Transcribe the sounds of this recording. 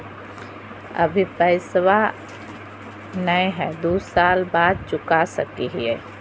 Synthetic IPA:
ɐ̰bʱipɛɪsʋa | nəeɦɛːd̪uːsaːlbaːd̪̚t͡ʃʊkasə̰kiɦiɛ̰ː

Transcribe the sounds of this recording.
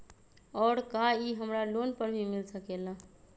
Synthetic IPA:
ɔːɾkaiɦəmɾalonpəɾbʱimɪlsəkela

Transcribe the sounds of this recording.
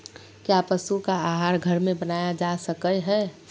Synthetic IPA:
kjapəsukaaːɦaːɾɡʱəɾmẽbənaːjad͡ʒasəkəɦɛ

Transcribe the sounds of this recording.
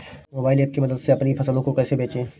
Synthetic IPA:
moːbaːɪlɛːp̚kimɐd̪əd̪seɐpnipʰɐsəlõkokɛːsebʱeːt͡ʃẽː

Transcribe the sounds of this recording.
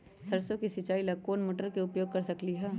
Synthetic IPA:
sɐɾsõkisɪt͡ʃaːilɐkoːnmoːʈəɾkeʊpjoːɡ̚kɐɾsɐkliɦɛː

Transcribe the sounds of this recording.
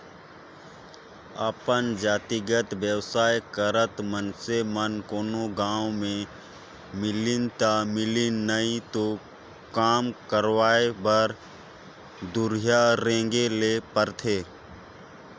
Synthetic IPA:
əpənd͡ʒaːt̪iɡət̪ʋjəwsaːjkəɾət̪mənsemənkoːnoɡãːwmẽ | mɪlɪnt̪amɪlinəĩt̪o | kaːmkəɾwaːebəɾ | d̪ʊɾijaɾẽːŋɡelepəɾt̪ʰeː

